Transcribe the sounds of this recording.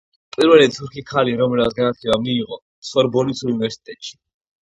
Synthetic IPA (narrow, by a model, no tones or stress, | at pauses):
pʼiɾvɛlɛd̪t̪ʰuɾkʰikʰaliɾɔmɛlat̪ɡanat̪ʰɛlamiːʁɔ | sχwɛɾbɔlisʰuunivɛɾsi̥t̪ʼɛt̪ʼʃi̥